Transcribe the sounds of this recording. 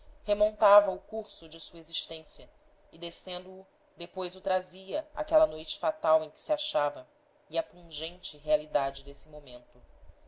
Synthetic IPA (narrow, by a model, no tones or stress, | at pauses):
hemõnt̪avɐʊkuɾsʊd͡ʒɪsuɐeziʃt̪ẽsjɐ | ɪd̪esẽnd̪ʊː | d̪epojzʊt̪ɾaziɐa̰kɛlɐnojt͡ʃɪ̥fat̪awẽj̃kɪ̥siaʃavɐ | iɐplũʒẽnt͡ʃɪɦealid̪ad͡ʒɪd̪esɪmomẽnt̪ʊ